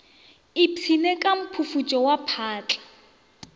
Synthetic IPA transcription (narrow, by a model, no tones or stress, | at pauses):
ɪpʰinekʼam̩pʰufut͡ʃʼɔwapʰaːt͡ɬʼḁ